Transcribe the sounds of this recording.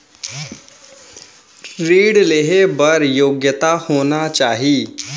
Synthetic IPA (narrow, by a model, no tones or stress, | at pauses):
ɾiːɽleɦebəɾjoːɡjət̪ahoːnat͡ʃaːɦiː